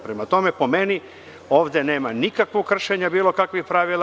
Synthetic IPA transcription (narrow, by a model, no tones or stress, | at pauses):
pɾemat̪o̞mepo̞me̞ni | o̞ːʋd̪ene̞ːmanikakʋokr̩ʃeɲabiːlo̞kakʋixpɾaʋilˠ